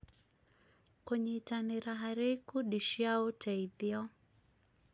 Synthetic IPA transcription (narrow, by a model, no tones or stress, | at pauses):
kwɛɲɛitaniɾaɦaɾɛkuɗiʃaɔtʰaiðjɔ